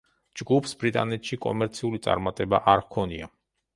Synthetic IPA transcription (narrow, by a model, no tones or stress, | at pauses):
d͡ʒɡupʰsbɾit̪ʼa̰nɛt̪ʃikʼɔ̰mɛɾt̪sʰiulit̪sʼa̰ɾmat̪ʼɛbaʔaɾvkʰɔnia̰